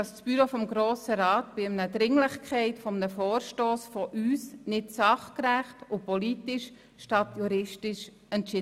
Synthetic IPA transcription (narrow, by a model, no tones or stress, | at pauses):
ɑssb̥yɾofɔmɡɾoːsəɾɑːtb̥ɪmnədɾɪŋlɪχkʰχɛɪtfɔmənəfɔːɾʃtoːsfɔʔyːsnɪtsɑχkræχtʊpɔlitɪʃ | ʃtɑtjuɾɪʃtɪʃ | ɛntt͡ʃɪ